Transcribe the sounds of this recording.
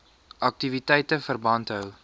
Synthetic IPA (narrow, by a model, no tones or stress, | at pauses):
ʔɐk̚tivitɛjtəfərbɐntɦəw